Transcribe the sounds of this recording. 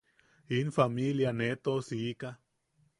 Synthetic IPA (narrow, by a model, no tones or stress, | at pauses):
infamiljanet̪osiːka